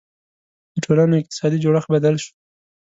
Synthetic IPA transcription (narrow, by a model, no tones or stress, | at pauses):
d̪əʈʰolanoɪq̚t̪ɪ̥sɑd̪id͡ʒoɽəxbad̪alʃu̥